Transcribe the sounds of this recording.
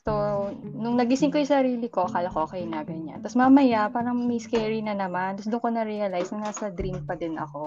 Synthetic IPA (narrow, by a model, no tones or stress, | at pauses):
sonʊŋnɐɡɪsɪŋkojʊsɐɾiːlɪko̞kalɐkoʔɐkɐhɪnaːɡɐɲɐ̰t̪ɐsmaːmɐjapaːɾɐŋmiskɛɹinɐnɐmand̪ɐsd̪ʊŋkonɐɾiɐlajsnɐnaːsɐd̪ɾimpɐd̪ɪnʔɐ̰ko̞